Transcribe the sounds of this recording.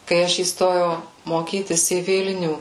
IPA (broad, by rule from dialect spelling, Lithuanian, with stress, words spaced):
kɐɪ ˈɐʃ iːsˈtoːjɛʊ moːˈkʲiːtʲɪs iː ˈʋʲɪlʲnʲuː